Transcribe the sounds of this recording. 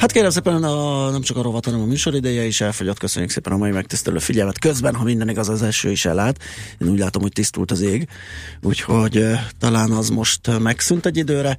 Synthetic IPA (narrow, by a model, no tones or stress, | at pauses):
hat̪keːɾɛms̬eːpɛnnɒnɛmt͡ʃɒkɒɾo̞vɒt̪hɒnɛmɒmyːʃo̞ɾid̪ɛjɛiʃɛlfoɟot̪ːkø̞sø̞̰ɲːyksḛːpɛnɒmɒjimɛkt̪ist̪ɛlø̰ːfiɟɛlmɛt̪kø̞zbɛnɦɒmind̪ɛniɡɒzzɛlʃøːiʃɛ̰lːaːt̪eːnuːɟlaːt̪o̞mho̞ct̪ist̪ṵlt̪ɒzeːɡ | ṵːcho̞ɟt̪ɒlaːnɒzmo̞ʃt̪mɛksynt̪ɛɟːid̪øːɾɛ